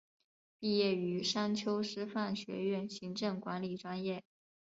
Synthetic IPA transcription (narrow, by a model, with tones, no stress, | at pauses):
pi˥˧jɛ˥˩y˧˥ʂa˥nt͡ɕʰjo˥ʊʂɻ̩˥fa˥˩nɕɥɛ̰˧˥ɥɛ˥˩nɕi˧˥ŋʈ͡ʂɤ˥˩ŋkwa˧˥nli˨˩ʈ͡ʂwa˥njɛ˥˩